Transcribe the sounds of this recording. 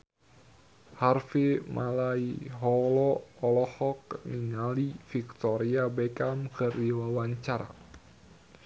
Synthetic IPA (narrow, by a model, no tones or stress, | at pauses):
harfemʔalaiɦɔlɔɔlɔhɔk̚niŋalifik̚t̪ɔɾiabɛkamkərdiwawaɲt͡ʃaɾa̰